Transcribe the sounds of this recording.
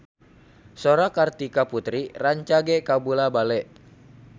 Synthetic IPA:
soɾakart̪ikaput̪ɾiraɲt͡ʃaɡɛkabulabalɛʔ

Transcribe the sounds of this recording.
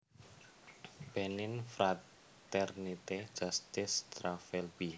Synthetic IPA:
b̥ɛnɪnfɾa | t̪ɛrnit̪e̥d͡ʒ̥ast̪ɪst̪ɾafɛlb̥i

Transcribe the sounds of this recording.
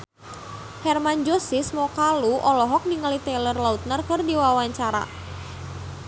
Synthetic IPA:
hɛrmand͡ʒɔsismɔkaluʔɔlɔɦɔk̚niŋalit̪ɛlərlaut̪̚nərkɨrdiwawaɲt͡ʃaɾa̰

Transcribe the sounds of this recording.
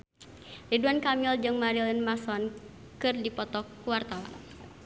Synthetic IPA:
riduankamild͡ʒɨŋmaɾilinmasɔn | kɨrdipɔt̪ɔkːuwart̪awa̰n

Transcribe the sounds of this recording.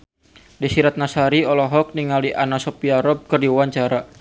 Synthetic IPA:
disiɾat̪̚nasaɾiɔlɔɦɔk̚niŋaliʔanasɔpiaɾɔb̚kərdiuwaɲt͡ʃaɾa

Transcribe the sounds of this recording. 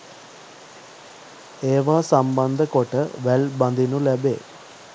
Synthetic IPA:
eːʋaːsamband̪əkoʈəʋælband̪inulæbḛː

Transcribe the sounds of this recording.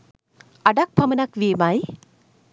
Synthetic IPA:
adak̚pʰamɐnak̚wemaj

